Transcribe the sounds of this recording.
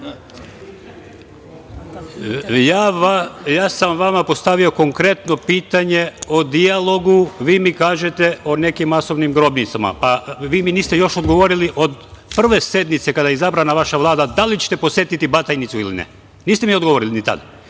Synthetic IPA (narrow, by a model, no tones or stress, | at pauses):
jaːajaːsamʋamapo̞st̪aʋio̞ko̞ŋkɾe̞t̪no̞piːt̪aɲe̞od̪ialˠo̞ɡuʋiːmikaːʒe̞t̪e̞one̞kimːaso̞ʋnimɡɾo̞bnit̪sama̰paʋiːminiːst̪ejo̞ʃod̪ɡo̞ʋo̞ɾiliʔo̞d̪pr̩ʋe̞se̞d̪mit̪se̞kad̪ajezabɾanaʋaʃaʋlˠaːd̪ad̪alit͡ɕe̥t̪eposje̞t̪it̪ibat̪ajnit̪suilinɛ̰ | niːst̪emio̞d̪ɡoo̞ɾilinit̪a̰d̪a